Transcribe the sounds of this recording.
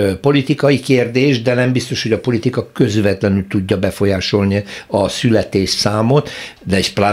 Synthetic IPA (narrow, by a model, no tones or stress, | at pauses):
po̞lit̪ikɒjikeːrd̪eːʒd̪ɛnɛmbist̪o̞ʃho̞ɟɒpo̞lit̪ikɒkø̞zʋɛt̪lɛnylt̪uɟːɒbɛfo̞jaːʃo̞lniɒsylɛt̪eːʃsaːmot̪d̪ɛɛʃplaː